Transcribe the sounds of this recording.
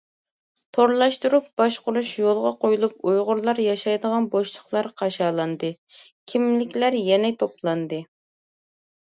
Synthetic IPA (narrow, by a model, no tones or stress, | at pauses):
t̪ʰoɾlˠɑʃt̪uɾup̚b̥ɑʃqʊɾuʃjolˠʁɑqojulˠup̚ujʁʊɾlˠɑɾjɑʃɑjd̪əʁɑnboʃt͡ʃʰˠə̥χlˠɑɾqʰɑʃɑːlˠɑnd̪ɨ | kʲʰimlɪkʲlæɾjɛnɛt̪ʰoplˠɑnd̪ɨ